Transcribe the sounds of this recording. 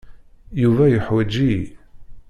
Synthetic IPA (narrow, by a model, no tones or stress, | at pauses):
juvæjəħwæd͡ʒi